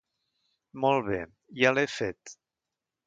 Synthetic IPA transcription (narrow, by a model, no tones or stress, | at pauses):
mɔlˠβe | jalefet̪